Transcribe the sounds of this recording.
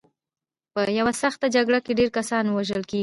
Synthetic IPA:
pəjawasaxt̪ad͡ʒaɡɽakeɖeɾkasɑnwaʒəlkeɡi

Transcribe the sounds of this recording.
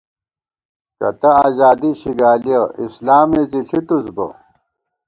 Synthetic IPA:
kɐ̰t̪ɐaːzaːd̪iɕiɡaːliɐʔislaːmeziɬʰit̪usbɐ̰

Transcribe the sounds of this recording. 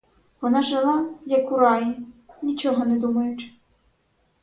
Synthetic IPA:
ʋɔnɑʒelˠɑjɐkʊɾɑjinʲit͡ʃɔmʊnɛd̪umɐjʊt͡ʃ

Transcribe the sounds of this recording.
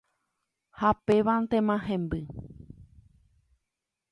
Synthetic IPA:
hapeʋant̪ẽmãɦẽmbɨ

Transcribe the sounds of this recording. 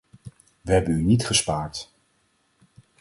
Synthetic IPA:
ʋəɦɛbənynitχəspaːɹt

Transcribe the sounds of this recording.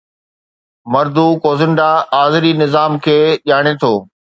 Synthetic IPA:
mɐɾd̪ukoːzɪɳɖaaːzɾinɪzaːmkʰeːʄaːɽ̃et̪ʰoː

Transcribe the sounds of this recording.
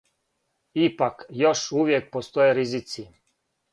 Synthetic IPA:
ipakjoʃuʋjek̚post̪ojeɾizit̪si

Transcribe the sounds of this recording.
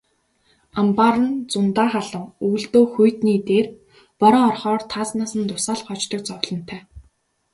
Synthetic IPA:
ampaɾə̆nt͡sʊnt̪aːχaɮə̆ŋuːɮt̪oːxujt̪niːt̪eːr | pɔɾɔːrχɔːrt̪ʰaːt͡snaːsə̆nt̪ʊsaːɮχɔt͡ɕt̪ə̆k̚t͡sɔwɮɞ̆n̥t̪ʰæː

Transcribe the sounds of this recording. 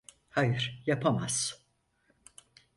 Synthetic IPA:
hajɯɾ̥japʰamaz̥

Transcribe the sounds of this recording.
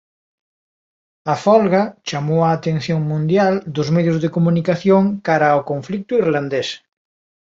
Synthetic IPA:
ɐfɔlɣɐt͡ʃamowaːt̪ẽnθjoŋmũnd̪jald̪ʊzmeðjʊzðekomunikaθjoŋkaɾaokoɱflik̚t̪ʊiɾland̪es

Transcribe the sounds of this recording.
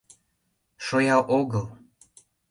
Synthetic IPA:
ʃojɑʔoɣəlˠ

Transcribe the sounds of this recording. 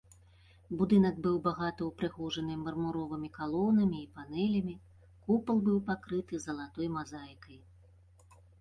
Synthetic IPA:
bud̪ɨn̪ɐɡbɨwbaɣat̪ɐwpɾɨɣɔʐɐnɨmɐrmuɾɔvɨmʲikalˠɔnɐmʲiːpanɛlʲɐmʲi | kupɐlˠbɨwpakɾɨt̪ɨzɐlˠat̪ɔjmazajkɐj

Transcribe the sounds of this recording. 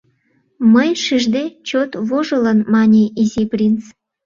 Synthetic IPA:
məjʃiʒd̪et͡ɕot̪βoʒələnmɑnʲiʔiziprʲint͡s

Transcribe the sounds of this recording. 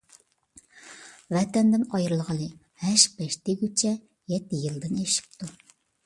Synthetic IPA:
vɛt̪ɛnd̪ɪnɑjɾɨlˠʁɑlˠɨ | hæʃbɛʃt̪eɡʲyt͡ʃʰɛ | jɛt̪ːɪjɨlˠd̪ɨneʃi̥p̚t̪ʰu

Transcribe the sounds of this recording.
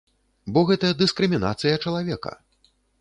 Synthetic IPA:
bɔɣɛt̪ɐjɐd̪ɨskɾɨmʲina̰t̪sɨjɐt͡ʂɐlˠavʲɛkɐ̰

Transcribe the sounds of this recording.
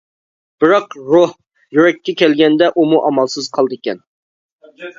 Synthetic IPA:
b̥ɪɾɑqɾoh | jyɾɛkʲːɛkʲʰɛlɡʲɛnd̪ɛʔumuʔɑmɑlˠsɨz̥qʰɑlˠd̪kʲɛn

